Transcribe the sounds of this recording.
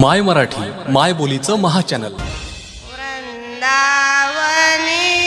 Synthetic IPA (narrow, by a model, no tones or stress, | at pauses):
majməɾaʈʰiːmajbolit͡səməɦat͡ɕænəl | d̪aʋəni